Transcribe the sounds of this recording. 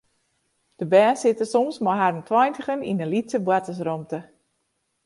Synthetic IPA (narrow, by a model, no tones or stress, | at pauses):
d̥əbɛːsɪtəsɔmsmɔɦarəntʰwɔjntəχəninəlitsəbwatəs̬rɔmtə